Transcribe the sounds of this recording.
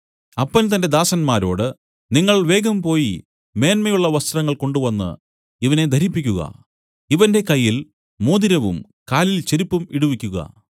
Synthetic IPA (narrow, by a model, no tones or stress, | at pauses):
ɐpːɐnt̪ɐnded̪aːsɐnmaːɾo̞̰ːɽɨ | niŋːɐɭʋe̞ːɡɐmpo̞ːji | me̞ːnmɐjuɭːɐʋɐst̪rɐŋːɐɭko̞ɳɖuʋɐnːɨ̰ | iʋɐne̞d̪ʱɐɾipːikʲːuɣɐ̰ | iʋɐnde̞kɐjːil | moːd̪iɾɐʋṵm | kaːlilt͡ɕeɾipːumiɽuʋikʲːuɣɐ̰